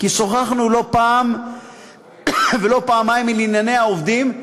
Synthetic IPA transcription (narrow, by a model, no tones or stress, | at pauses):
kisoχaχnulo̞paːm | velo̞paamajimːilinjanehaovd̪im